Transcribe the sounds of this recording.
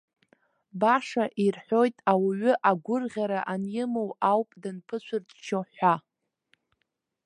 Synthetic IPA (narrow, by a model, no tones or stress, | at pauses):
baʂaʔirħʷo̞jtʼawaɥʏʔaɡʷʊrʁʲaɾaʔanjɪmowawpʼdɨnpʰɨt͡ʃʷʰʊrtʼʰt͡ʃʰoħʷa